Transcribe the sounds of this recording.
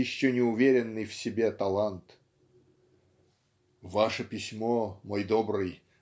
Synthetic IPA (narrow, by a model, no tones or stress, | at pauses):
ɪɕːɵnʲɪʊvʲeɾʲɪnːɨjfsʲɪbʲet̪ɐlˠant̪ | vaʂəpʲɪsʲmomojd̪obɾɨj